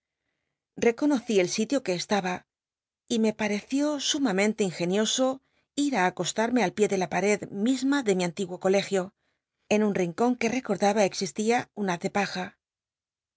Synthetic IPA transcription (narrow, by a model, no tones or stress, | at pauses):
re̞ko̞no̞θie̞lsit̪jo̞ke̞ːst̪aβa | ime̞paɾe̞θjo̞sumamẽnt̪e̞iŋxe̞njo̞so̞ | iɾaːko̞st̪aɾme̞alpje̞ðe̞lapaɾe̞ðmizmaðe̞miãnt̪iɣwo̞ko̞le̞xjo̞ | e̞nunriŋko̞ŋke̞re̞ko̞ɾðaβaeksist̪iaunaðe̞paxa